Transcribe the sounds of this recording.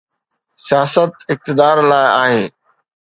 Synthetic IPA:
sijaːsət̪ɪk̚t̪ɪd̪aːɾlaːɪaːɦeː

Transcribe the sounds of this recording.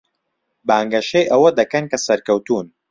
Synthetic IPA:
baːŋɡɐʃejʔɐwɐd̪ɐkɐnkɐsɐɾkɐwt̪uːn

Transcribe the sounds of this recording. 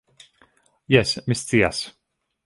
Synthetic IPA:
jɛsmɪst͡s̪ija̰s

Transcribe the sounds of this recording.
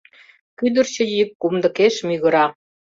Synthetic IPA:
kyd̪ərt͡ɕə̆jikːumd̪ɤ̆keʃmyɣə̆ɾɑ

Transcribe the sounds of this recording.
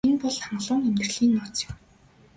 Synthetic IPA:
enpɔɮaɴɢɮʊːŋemt̪ɘ̆rɮiːnːɔːt͡sjʊ̥m

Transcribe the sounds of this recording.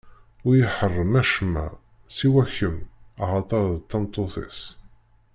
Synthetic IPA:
ʊjəħərˤːəmæʃmːæ̰ | siwæçːəmɑʁɑt̪ˤɑɾðt̪ːɑnt̪ˤːoθɪ̰s

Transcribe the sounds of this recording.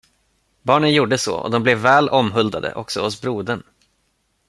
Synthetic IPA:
bɑːɳənjuːɖəsɔ̰ɔ̰d̪ɔmblɛvːɛːlʔɔmɦɵld̪ad̪ə̰ʔɔksɔhʊsbɾuːd̪ən

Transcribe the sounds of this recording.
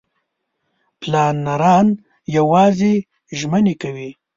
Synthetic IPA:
plɑnːaɾɑn | jawɑze | ʒmənekawi

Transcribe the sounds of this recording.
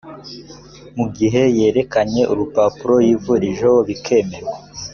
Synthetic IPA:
muɡiɦe̞je̞ːɾe̞kaɲe̞ʔuɾupaːpuɾo̞jivuɾiʒowoβikʰe̞meɾe

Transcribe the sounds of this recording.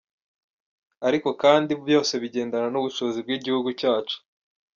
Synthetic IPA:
aɾiko̞kaːndibjo̞ːse̞βiɟe̞ːndananuβuʃo̞zib̚ɡiːɟihuɡucaːt͡ʃu̥

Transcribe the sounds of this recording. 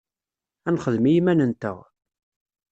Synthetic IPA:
ænχəðmijimænənt̪ə̰ʁ

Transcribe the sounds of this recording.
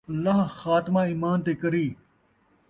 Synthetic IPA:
ɐlːaːɦxaːt̪ɪmãːiːmaːnt̪eːkɐɾiː

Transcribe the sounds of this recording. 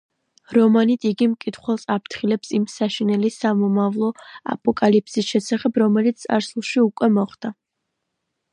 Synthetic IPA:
ɾɔmanit̪ʰiɡimkʼit̪ʰχwɛlˠsapʰt̪ʰχilɛpsimsaʃinɛlisamɔmavlˠɔa̰pʼɔkʼalipʰsisʃɛsaχɛbɾɔmɛlit̪ssʼa̰ɾsulˠʃiukʼwɛmɔχd̪̥a

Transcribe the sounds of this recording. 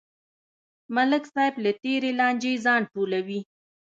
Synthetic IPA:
malɪksɑjɪblat̪eɾelɑnd͡ʒezɑɳʈolawi

